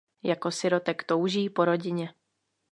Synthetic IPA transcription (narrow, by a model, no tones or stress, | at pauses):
jako̞sɪɾo̞t̪ɛkt̪o̞wʒiːpo̞ɾo̞ɟɪɲɛ